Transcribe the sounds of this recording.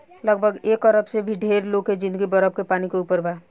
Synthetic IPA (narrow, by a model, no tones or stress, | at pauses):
ləɡbʱəɡeːkəɾəbsebʱiɖʱeːɾloːɡked͡ʒɪ̃nd̪əɡibəɾəb̚kepaːnikeuːpəɾbʱaː